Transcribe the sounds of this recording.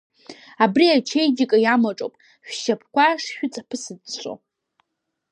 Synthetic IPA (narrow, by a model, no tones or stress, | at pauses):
abriat͡ʃʰejɡʲikʼajamaʈ͡ʂʼo̰pʼ | ʃᶣʃapʰkʷaʂʃᶣʊt͡sʼapʰɨsɨdt͡ɕʷʼo̰